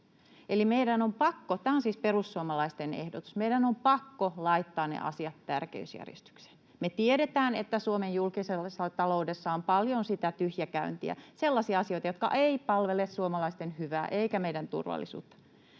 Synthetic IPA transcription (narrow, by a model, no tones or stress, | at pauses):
elimeidænompɑkːot̪æːonsiːsperusːuomɑlɑist̪enehdot̪u̥smeidænompɑkːolɑit̪ːɑːnnḛʔɑ̰siɑt̪tærkḛysjæ̰rjḛst̪y̥kse̥n | met̪ieɾet̪æːnet̪ːæsuomejjulkisesːɑt̪ɑloudesːɑompɑljonsit̪æt̪yhjækæynt̪iæ̰selːɑsiɑɑsio̞it̪ɑjot̪̚kɑ̰ʔeipɑlʋelessuomɑlɑist̪enhyʋæ̰ːʔeikæmeidænt̪ṵrʋɑ̰lːḭsṵːt̪ːɑ̥